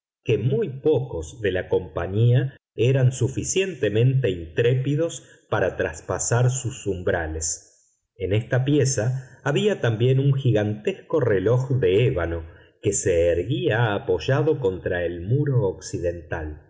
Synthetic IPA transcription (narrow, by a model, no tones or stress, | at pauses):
ke̞mujpo̞ko̞zðe̞lako̞mpaɲia | eɾansufisje̞nt̪e̞mẽ̞nt̪e̞int̪ɾepiðo̞s | paɾat̪ɾaspasaɾsusumbɾales | e̞nest̪apjesaːβiat̪ambje̞nuŋxiɣant̪esko̞reloxðeeβano̞ | ke̞seːɾɣiaːpo̞ʒaðo̞ko̞nt̪ɾaelmuɾo̞ːksiðe̞nt̪al